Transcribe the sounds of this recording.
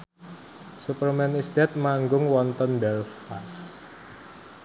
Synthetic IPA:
supərmɛnisd̪ɛt̪̚maŋɡʊŋwɔnt̪ɔndɛlfas

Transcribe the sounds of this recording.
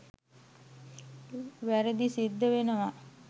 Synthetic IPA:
ʋæɾəd̪isid̪ːəʋenəʋa

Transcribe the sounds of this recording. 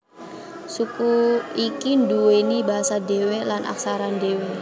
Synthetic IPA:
sukuikinduwenibaɦasadewelanʔa̰ksaɾandewe

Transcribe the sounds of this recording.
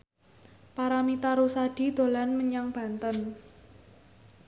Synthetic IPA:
paɾamit̪aɾusad̥i̤d̪̥o̤lanməɲaŋb̥a̤nt̪ən

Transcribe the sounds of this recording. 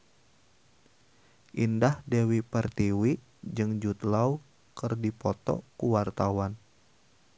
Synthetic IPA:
ʔindahdewipərt̪iwi | d͡ʒɨŋd͡ʒut̪lau | kɨrdipɔt̪ɔ̰kuwart̪awan

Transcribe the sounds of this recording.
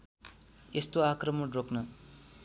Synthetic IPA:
est̪oakrʌmʌroknʌ

